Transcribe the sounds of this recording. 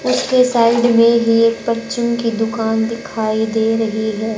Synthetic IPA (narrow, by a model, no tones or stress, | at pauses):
ʊskesaːɪɖmẽɦieːk̚pɐt͡ʃɪmkid̪ʊkaːnd̪ɪkʰaːid̪eːɾɐɦiɦɛː